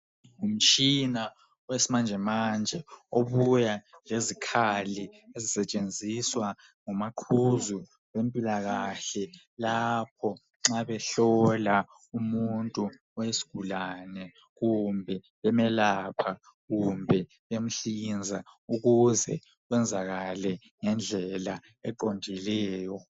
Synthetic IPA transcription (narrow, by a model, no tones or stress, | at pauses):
um̩t͡ʃʼina | ɔwesimand͡ʒʱɛmand͡ʒʱɛoβujalezikʰaliezisɛt͡ʃʼend͡zʱiswa | ŋumaǃʰuzu | βempʼilaɣaɬɛ | lapʰɔ | ŋ͡ǁaβɛɬɔla | umuntʼu | ɔjesi̥ɡ̥ʱulanɛ | ɣumbʱɛ | βɛmɛlapʰa | ɣumbʱɛ | βem̩ɬind͡zʱauɣuzɛ | wɛnd͡zʱaɣalɛ | ŋɛnd͡ɮʱɛla | ɛǃondʱilɛːjɔ